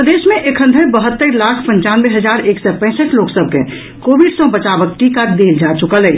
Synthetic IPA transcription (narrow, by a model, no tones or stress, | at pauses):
ɾəd̪eːʃmẽʔekʰə̃nd̪ʱəbəɦət̪ːəɾlaːkʰpə̃ɲt͡ʃaːnbeɦəd͡ʒaːɾeːksɔpɛ̃ɪsəʈloːksəb̚ʱkḛ̃ | koːbiɖsɔ̃bət͡ʃaːbək̚ʈikad̪eːld͡ʒat͡ʃʊkəlɦɛ